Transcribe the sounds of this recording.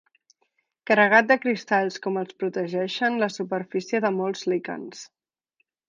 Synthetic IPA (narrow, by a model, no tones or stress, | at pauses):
kəɾəɣ̞at̪̚d̪əkɾist̪alˠskɔməlˠspɾut̪əʒɛʃənləsupəɾfisiəðəmɔlˠzlika̰ns